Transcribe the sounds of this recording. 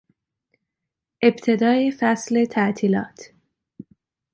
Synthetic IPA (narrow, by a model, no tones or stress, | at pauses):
ʔe̞bt̪ʰe̞d̪ɒːjefæsle̞t̪ʰæʔt̪ʰiːlɒ̰ːt̪ʰ